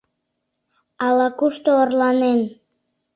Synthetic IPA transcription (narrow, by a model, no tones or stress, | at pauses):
ɑlɑkuʃt̪oːrlɑnen